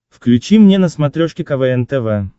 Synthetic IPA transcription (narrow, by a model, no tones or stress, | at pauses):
fklʲʉt͡ɕimnʲenəsmɐt̪ɾʲoʂkʲɪkɐvɛɛnt̪ɛvɛ